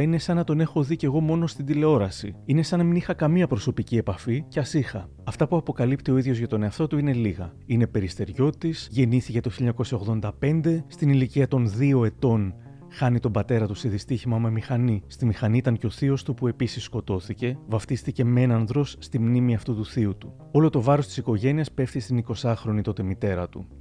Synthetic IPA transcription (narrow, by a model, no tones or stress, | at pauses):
ine̞sɐnɐt̪o̞ne̞xo̞ðice̞ɣo̞mo̞no̞st̪ind̪ile̞o̞ɾɐsḭine̞sɐnɐminixɐkɐmiɐpɾo̞so̞picie̞pɐficeɐsixɐ | ɐft̪ɐpuɐpo̞kɐlipt̪io̞iðʝo̞zʝɐt̪o̞ne̞ɐft̪o̞t̪uine̞liɣɐine̞pe̞ɾist̪e̞ɾʝo̞t̪isʝe̞niθice̞t̪o̞çilʎːɐɲɐko̞sɐo̞ɣðo̞nd̪ɐpe̞nd̪e̞st̪iniliciɐt̪o̞nðio̞e̞t̪o̞n | xɐnit̪o̞mbɐt̪e̞ɾɐt̪useðist̪içimɐmemixɐnist̪imixɐniit̪ɐɲceo̞θio̞st̪upue̞pisisːko̞t̪o̞θice̞vɐft̪ist̪ice̞me̞nɐnðɾo̞sːt̪imnimiɐft̪ut̪uθiut̪u | o̞lo̞t̪o̞vɐɾost̪isiko̞ʝe̞niɐspe̞fθist̪iniko̞sɐxɾo̞nit̪o̞t̪e̞mit̪e̞ɾɐt̪u